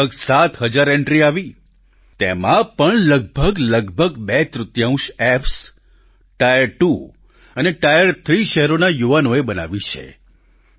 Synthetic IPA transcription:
əɡsat̪ɦəd͡ʒaɾɛɳʈɾiaʋi | t̪ḛmãpəɳləɡ̚bʱəɡləɡbʱəɡbet̪ɾʊt̪jaũʃɛps | ʈajəɾʈu | əneʈajəɾt̪ʰɾiʃɛɦɛɾonajuʋanoebəna̰ʋit͡ʃʰḛ

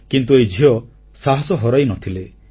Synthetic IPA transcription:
kint̪ued͡ʒʱijɔ | saɦɔsɔɦɔɾajnɔt̪ʰile

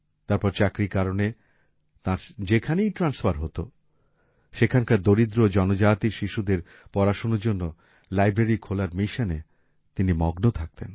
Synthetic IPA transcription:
t̪aɾpɔɾt͡ɕakɾikaɾone | t̪ãɾd͡ʑekʰanejʈɾansfaɾɦot̪o̰ | ʃekʰankaɾd̪oɾid̪ɾod͡ʑɔnod͡ʑat̪iʃiʃud̪eɾ | pɔɾaʃonoɾd͡ʑonːo | lajbɾeɾikʰolaɾmiʃane | t̪inimɔɡnot̪ʰak̚t̪en

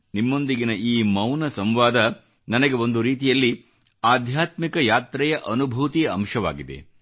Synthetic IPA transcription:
nimːo̞nd̪iɡinɐʔiːmɐwnɐsɐmʋaːd̪ɐ | nɐnɐɡe̞o̞nd̪uɾiːt̪̬ijɐlːi | aːd̪ʱjaːt̪mikɐjaːt̪ɾɛjɐʔɐnubʱut̪ijɐɐmʃɐʋa̰ːɡid̪e̞̰

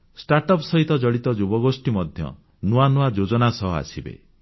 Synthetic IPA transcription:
sʈaɾʈɔpsɔɦit̪ɔd͡ʒɔɽit̪ɔd͡ʒubɔɡosʈimɔd̪ʱjɔ̰ | nuanuad͡ʒod͡ʒɔnasɔɦɔa̰sʰibḛ

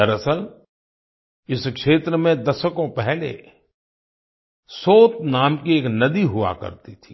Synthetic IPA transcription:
ɐɾəsəl | ɪskʃeːt̪ɾəmẽd̪ɐʃəkõpɛɦlḛ | soːt̪naːmkieːknɐd̪iɦʊʋa̰kɐ̰ɾt̪it̪ʰiː

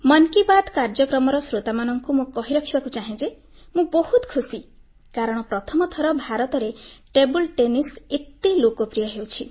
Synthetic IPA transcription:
mʌnkibad̪kaɾd͡zʌkɾɔmɔɾɔsɾot̪amanʌŋkumõkɔɦiɾʌkʰibakut͡ʃaɦĩd͡ze | mũbɔhut̪kʰusi | kaɾʌɽ̃pɾʌt̪ʰɔmɔt̪ʰɔɾʌbʱaɾɔt̪ɔɾeʈebulʈeniset̪ːilokopɾijʌɦewt͡ʃʰi

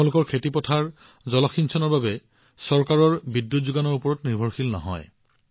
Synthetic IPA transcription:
ʊ̃lʊkɔɹkʰetipɔtʰaɹ | zɔlɔxinsʰɔnɔɹbabɛ | sɔɹkaɹɔɹbidjutzuɡanɔɹupɔɹɔtniɹbʱɔɹxilnɔ̰ɦɔ̰j

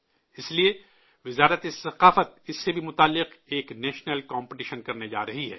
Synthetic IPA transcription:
ɪslie | ʋɪzaːɾət̪esɐqaːfət̪̚ɪsːebʱimʊt̪aːlːɪqeːknɛːʃnəlkãːmpɪʈiːʃənkɐɾned͡ʒa̰ːɾɐɦiɦɛ̰ː

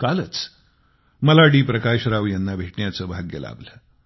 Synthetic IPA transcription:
kalət͡s | məlaɽiːpɾəkaɕɾaʋjanːabʱeʈɳjat͡səːbʱaɡjə̰la̰bləː

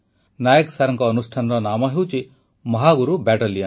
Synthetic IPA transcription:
naːjeksaɾɐŋkɔːnusʈʰanɾɔnamɐɦewt͡ʃi | mɔɦaɡuɾubɛʈɐlijan

